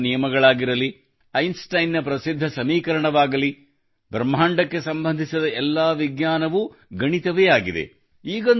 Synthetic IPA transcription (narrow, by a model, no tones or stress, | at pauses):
nijɐmɐɡɐɭaːɡiɾɐli | ɐjnsʈɐjnjɐpɾɐsid̪ʱːɐsɐmiːkɐɾɐɳɐʋaːɡɐli | bʱɾɐmɦaːɳɖɐkːe̞sɐmbɐnd̪ʱisɐd̪ɐɛlːaʋiɡɲaːnɐʋu | ɡɐɳit̪ɐʋɛjaːɡid̪e̞̰ | iːɡɐ